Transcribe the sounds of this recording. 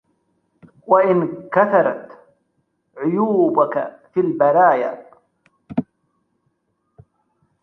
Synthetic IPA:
waʔɪnkaθɑɾˤɑt̪ | ʕʊjuːbaka̰filbaɾaːja̰

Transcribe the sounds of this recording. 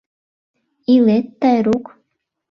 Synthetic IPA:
ilet̪ːɑjɾuk

